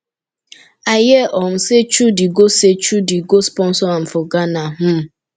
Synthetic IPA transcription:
ajeʔɔm̩set͡ʃudiɡoset͡ʃudiɡospɔn̩sɔam̩fʊɡanaɦʊm̩

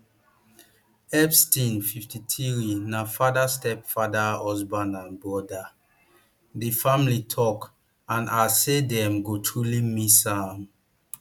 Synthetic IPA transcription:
ɛpstĩnfiftitʰiɹinafadastɛpfadaɔsbãnãnbɔda | difamlitʰɔk | ãnasedɛ̃mɡotʰɹulimisam

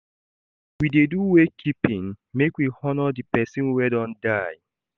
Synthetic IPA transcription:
wideduwekʰipĩn | mekwihɔnɔdipɛsĩnwɛdɔ̃ndaɪ

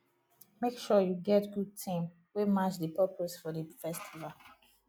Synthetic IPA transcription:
mekʃɔjuɡɛtɡud̚tʰĩm | wemat͡ʃdəpɜpʰosfɔdəfɛstʰival

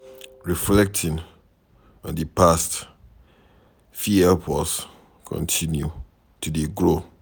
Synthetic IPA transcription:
ɹiflɛk̚tʰɪ̃n | ɔ̃ndipʰast | fiɛpʰɔs | kʰɔ̰̃ntʰĩnju | tʰudeɡɹo

